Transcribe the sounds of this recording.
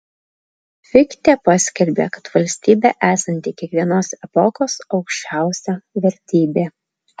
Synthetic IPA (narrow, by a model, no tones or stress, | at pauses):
fʲɪkt̪ʲeːpɑːsʲkʲɛlʲbʲḛːkɐt̪ʋɐlʲsʲt̪ʲiːbʲḛːʔæːsɐnʲt̪ʲiːkʲiɛkʋʲiɛnoːsɛpɔkoːsɒʊkʃʲt͡ʃʲæˑʊsʲɛʋʲɛɾʲt̪ʲiːbʲeː